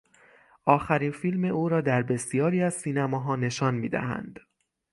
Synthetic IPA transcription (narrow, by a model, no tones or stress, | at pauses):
ʔɒːxæɾiːnfilme̞ʔuːɾɒːd̪æɾbe̞sijɒːɾiːæzsiːnæmɒːɦɒːne̞ʃɒːnmḭːd̪æ̰hæ̰nd̪̥